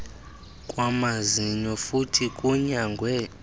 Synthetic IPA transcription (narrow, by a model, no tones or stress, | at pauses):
kʼwamaziɲɔfutʰikʼuɲaŋɡʱwɛ